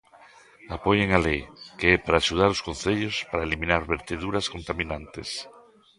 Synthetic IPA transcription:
apoʎeŋalejkeɛpaɾaːʃuð̞aɾoskon̟θeʎospaɾaelimĩnaɾβeɾt̪eðuɾaskont̪amĩnãnt̪es

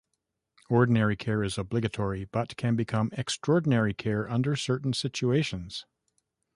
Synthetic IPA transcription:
ɔɹdⁿn̩ɛɹikʰɛɹɨzəblɪɡɨtʰɔɹib̥ʌt̚kʰɨ̃nbɨkʰʌ̃mɛkstɹ̥ɔɹdⁿn̩ɛɹikʰɛɹʌ̃ndə˞sɜ˞ʔn̩sɪt͡ʃueɪʃɨ̃nz̥

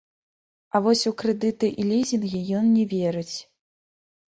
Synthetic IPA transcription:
ɐvɔsʲukɾɛd̪ɨt̪ɨʔilʲizʲinɣʲijɔnːʲɛvʲɛɾɨt͡sʲ

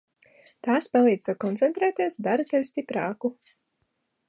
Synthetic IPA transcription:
t̪aːspalˠiːd̪̥t̪akɔnt̪sɛnt̪ɾɛːt̪iɛsd̪aɾt̪ɛwst̪ipɾaːku

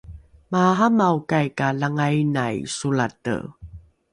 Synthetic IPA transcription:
maɦamawkajkalaŋajnajsuɭatə̰

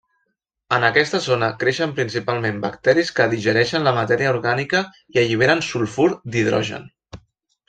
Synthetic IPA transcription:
ənəkɛst̪əzonəkɾeʃəmpɾins̬ipalˠmembə̰kt̪ɛɾiskəðiʒəɾɛʃənləmət̪ɛɾiəuɾɣanikə | iəʎiβ̞eɾənsulˠfuɾd̪iðɾɔ̰ʒə̰n

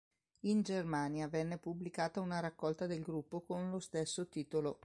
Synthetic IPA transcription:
ind͡ʒermaːnjavɛnːepublikaːt̪aunaɾakːɔlt̪ad̪elɡɾupːokonlost̪esːot̪iːt̪olo

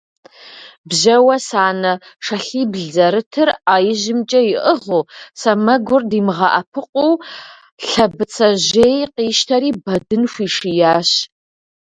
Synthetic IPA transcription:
bʑɐwɐsaːnɐʂɐɬiːbɮd͡zɐɾɨtʰɨraːjɪʑɪmt͡ʃʼɐjɪʔəʁuːsɐmɐɡʷʊrdiːmʁɐʔɐpʰɨqʷʼuw | ɬɐbɨt͡sʰɐʑejqiːʃtʰɐɾiːbɐdɨnxʷiːʂijaːɕ

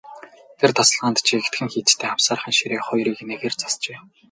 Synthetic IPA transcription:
t̪ʰert̪ʰɔsɮʁaːnt̪t͡ɕʰiekt̪ɡɘ̆ŋxiːt͡st̪ʰeːamsaːrχə̆nʃiɾeːχʊjɾiːkneɣeːrt͡sḁst͡ɕeː

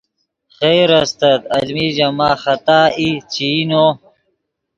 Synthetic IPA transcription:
χejɾɐst̪ɐt̪ɐlmiːd͡ʑɐmaːxɐt̪aːit͡ɕiːnoː

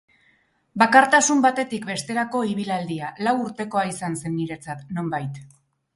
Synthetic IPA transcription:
bakaɾt̪asumbat̪e̞t̪ikbe̞st̪e̞ɾako̞iβ̞ilald̪ialawuɾt̪e̞ko̞aisanse̞nːiɾe̞t͡sat̪no̞mbajt̪

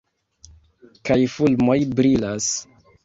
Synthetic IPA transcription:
kajfulmo̞jbɾilas

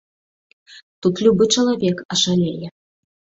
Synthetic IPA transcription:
t̪ut̪lʲubɨt͡ʂɐlˠavʲɛkɐʐalʲɛjɛ

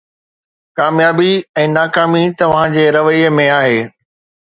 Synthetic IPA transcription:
kaːmjaːbiɛ̃ːnaːkaːmit̪ɐʋ̤ãd͡ʑeːɾɐʋəiəmẽaːɦeː

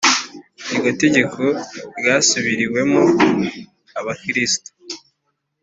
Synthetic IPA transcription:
iɡote̞ɟe̞kʰoɾɡaːsuβiɾiwe̞mo | aβakiɾisi̥to̥

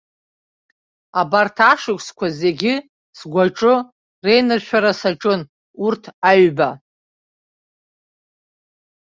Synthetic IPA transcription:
abartʰaʂɨkʷskʷʰaze̞ɡʲɪ | sɡʷaʈ͡ʂʼɨ | re̞jnɨrʃᶣaɾasaʈ͡ʂʼɨn | urtʰaɥba

